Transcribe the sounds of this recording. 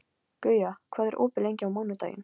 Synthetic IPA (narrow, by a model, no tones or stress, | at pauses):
kœːɥjakʰvaːðɛɾʔo̰ːpɪlejɲcɪawmawnat̪a̰ːjɪ̰n